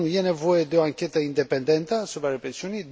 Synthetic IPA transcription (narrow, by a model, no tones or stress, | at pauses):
nujɛnɛvojɛd̪əaŋkɛt̪əind̪ɛpɛnd̪ɛnt̪əsupɾarɛpɾɛsiunid̪